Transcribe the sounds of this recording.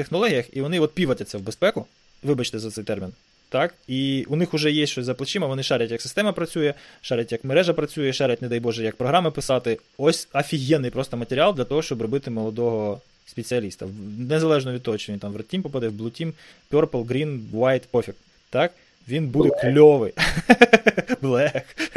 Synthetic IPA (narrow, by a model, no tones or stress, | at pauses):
t̪exnɔlˠɔɦʲijɐxiʋɔnɪɔt̪̚pʲiʋɐtʲɐt͡sʲːɐwbespɛkʊ | ʋɪbɐt͡ʃt̪ɛzɐt̪sɛjt̪ɛrmʲin | t̪ɑkiʊnɪxʊʒɛjɛsʲt͡ʃɔsʲzɐplˠɐt͡ʃɪmɐʋɔnɪʃɑɾʲɐtʲjɐksɪst̪ɛmɐpɾɐt͡sʲujɛʃɑɾʲɐtʲjɐkmeɾɛʒɐpɾɐt͡sʲujɛʃɑɾʲɐtʲned̪ɑjbɔʒɛjɐk̚pɾɔɦɾɑmɪpɪsɑt̪ɪ | ɔsʲɐfʲiɦʲjɛnːɪjpɾɔst̪ɔmɐt̪ʲeɾʲɪɑlˠd̪lʲɐt̪ɔɦɔʃt͡ʃɔbrɔbɪt̪ɪmɔlˠɔd̪ɔɦɔ | spʲet͡sʲɪɐlʲist̪ɐnezɐlˠɛʒnɔʋʲid̪t̪ɔɦɔt͡ʃɔʋint̪ɑmʋrɐtʲːimpɔpad̪ɛwblˠʊtʲim | pʲɔrpɔlˠɡɾʲinʋajt̪ɔfʲɪk | t̪ɑk | ʋʲinbud̪ɛklʲɔʋɪ | blˠɛx